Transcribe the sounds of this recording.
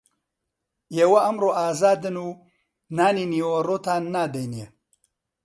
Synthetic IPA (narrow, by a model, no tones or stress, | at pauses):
jewɐɐmɾoːʔaːzaːd̪ɨnuː | naːniniwɐɾoːt̪aːnnːaːd̪ejnije